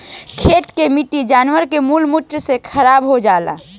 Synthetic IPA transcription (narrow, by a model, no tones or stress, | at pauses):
kʰeʈkemiʈid͡ʒaːnwəɾkemulmuʈ̪ɾsekʰəɾaːbɦod͡ʒaːla̰